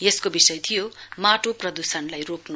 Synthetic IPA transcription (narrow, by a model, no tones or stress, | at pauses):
jeskobisʌjt̪ʰijomaʈoprʌd̪usʌnlajroknu